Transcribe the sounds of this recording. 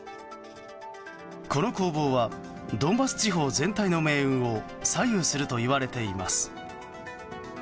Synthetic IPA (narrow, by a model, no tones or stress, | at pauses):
ko̞no̞ko̞ːbo̞ːβa | d̪õ̞mbasɨ̥t͡ɕiɦo̞ːzẽ̞nt̪aino̞me̞ːɯ̟̃ɰo̞ | saijɯːsɨɾɯ̟t̪o̞iβaɾe̞t̪e̞imasɨ̥